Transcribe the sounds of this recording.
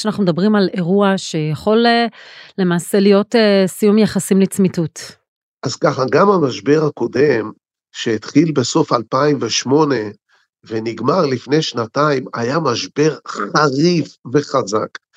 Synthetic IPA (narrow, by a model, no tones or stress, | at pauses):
ʃanaχnumed̪abʁimale̞ʁuaʃe̞jaχo̞l | le̞maːse̞lijo̞tesijumjaχasimlit͡smitut | ʔazkaχaɡamamaʃbe̞ʁhako̞de̞m | ʃeit̪χilbe̞so̞falpaimveʃmo̞ne̞ | veniɡmaʁlifne̞jʃnataima̰jamaʃbe̞ʁχaʁifve̞χaza̰k